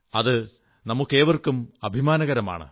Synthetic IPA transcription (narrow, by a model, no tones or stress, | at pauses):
ɐðɨ | nɐmukːeːʋɐrkumɐbʱimaːnɐɣɐɾɐma̰ːɳɨ̰